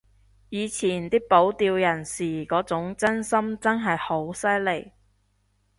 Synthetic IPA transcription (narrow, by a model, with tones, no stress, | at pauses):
jiː˨˧t͡sʰiː˨˩nt̪iː˥po˨˥wt̪iː˧wjɐ˨˩nsiː˨˩kɔː˨˥t͡sʊ˨˥ŋt͡sɐ˥nsɐ˥mt͡sɐ˥nɦɐ˨jho˨˥wsɐ˥jle˨˩j